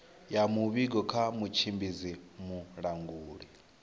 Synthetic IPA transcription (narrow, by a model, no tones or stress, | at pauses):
jamuβiɡɔkʰamut͡ʃʰimbizimuɺaŋɡuːɺi